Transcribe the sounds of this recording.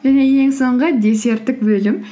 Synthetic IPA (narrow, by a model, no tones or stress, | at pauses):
ʒæne̞je̞ŋso̞ɴʁəd̪ʲe̞se̞ɾt̪ːɪkbɵlɪm